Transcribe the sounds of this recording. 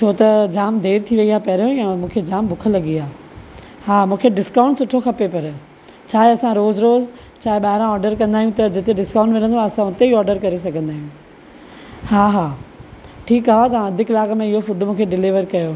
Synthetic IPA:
t͡ɕʰoːt̪ɐd͡ʑaːmd̪ʱeːɾt̪ʰiʋɐiaːpɐɦɾjoɛ̃mũːkʰed͡ʑaːmbʊkʰəlɐɡiaː | haːmũːkʰeɖɪskãːʊ̃ɳʈsʊʈʰoxɐpepɐɾ | t͡ɕʰaːɦeɐsãɾoːzɾoːz | t͡ɕʰaːɦeɓaːɦɪɾãɔːɾɖəɾkɐ̃nd̪aːijũt̪ɐd͡ʑɪt̪eɖɪskãːʊ̃ɳʈʋɪnə̃nd̪oaɐsãʊt̪eiɔːɾɖəɾkɐɾesɐɡʱə̃nd̪aːɦijũ | haːɦaː | ʈʰiːkɦaɦat̪̬ɐãɐd̪ʱɪkɪlaːkmẽɪɦofʊɖmũːkʰeɖɪliʋəɾkɐjoː

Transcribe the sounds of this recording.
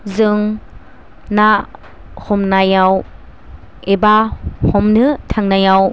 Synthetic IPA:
zɯŋ | na | hɔmnajaw | ebahɔmnɯtʰaŋnajaw

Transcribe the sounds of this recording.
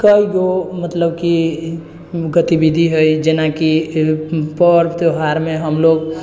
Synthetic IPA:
kəiɡomət̪ləbki | ɡət̪ibid̪ʱiɦəjd͡ʒenaki | pəɾt̪oɦaɾmeɦəmloɡ

